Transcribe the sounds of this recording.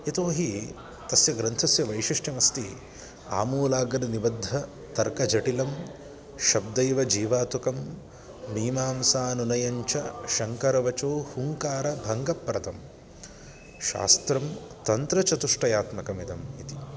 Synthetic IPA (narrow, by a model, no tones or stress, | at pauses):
et̪oːɦi | t̪ɐsjɐɡɾɐnt̪ʰɐsjɐʋɐjʂiʂʈʰjɐmɐst̪i | a̰ːmuːlaːɡɐd̪ɐnibɐd̪ʱːɐ | t̪ɐɾkɐd͡ʒɐʈilɐm | ʃɐb̚d̪ɐjʋɐd͡ʒiːʋaːt̪ukɐmː | iːmaːmsaːnunɐjɐɲt͡ʃɐʃɐŋkɐɾɐʋɐt͡ʃoːhuŋkaːɾɐbʱɐŋɡɐpːɾɐt̪ɐm | ʃa̰ːst̪ɾɐm | t̪ɐnt̪ɾɐt͡ʃɐt̪uʂʈɐjaːt̪mɐkɐmid̪ɐmit̪i̥